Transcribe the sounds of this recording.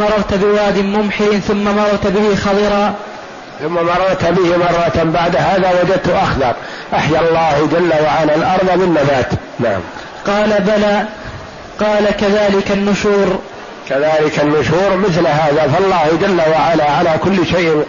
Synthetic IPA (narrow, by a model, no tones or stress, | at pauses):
ɑɾˤːɑɣˤt̪bɪwaːd̪ɪmʊmħɪθʊmːamɑɾˤɑɾˤt̪bɪhɪxɑdˤɑɾɑː | θʊmːamɑɾˤːɑɾˤt̪bɪhɪmɑrˤːɑt̪baʕd̪ɦaːðawad͡ʒad̪̚t̪ʊʔaxðɑɾˤ | ʔaħjalˤːɑːhd͡ʒalːawaʕalalʔɑɾˤðˤbɪnːabaːt̪ | naʕa̰m | qɑːlabalaː | qɑːlakaðaːlɪkanːʊʃuːɾ | kaðaːlɪkanːʊʃuːɾmɪθlɦaːðafɑlˤːɑːhd͡ʒalːawaʕalaʕalaːkʊlːʃajʔɪn